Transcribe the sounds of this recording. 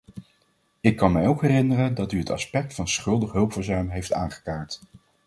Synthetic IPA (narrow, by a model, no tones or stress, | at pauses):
ɪkːɑnmɛjowkɦɛrɪnərəndɑtyətɑ̰spɛk̚tfɑnsχɵlˠdəχɦɵlˠpfəɹzœɥmɦejftaːnχə̥kaːɹt